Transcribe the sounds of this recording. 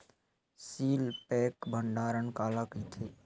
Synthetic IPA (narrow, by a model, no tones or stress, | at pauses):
siːlpɛːkbʱəɳɖaːɾənkaːlakit̪ʰeː